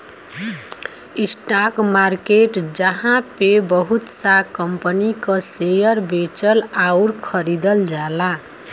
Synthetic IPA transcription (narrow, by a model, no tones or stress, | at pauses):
isʈakmarkeʈd͡zʌɦãpebʌɦut̪sakʌmpənikʌsejʌɾbet͡sʌlawɾkʰʌɾid̪ʌld͡zala